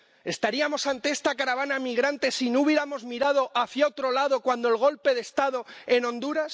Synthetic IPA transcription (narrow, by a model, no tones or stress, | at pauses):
e̞st̪aɾiamo̞sant̪eest̪akaɾaβanamiɣɾant̪e̞sinouβje̞ɾamo̞zmiɾað̞o̞ʔaθjaot̪ɾo̞laðo̞kwand̪o̞e̞lɣ̞o̞lpe̞ðest̪aðo̞e̞nõ̞nd̪uɾas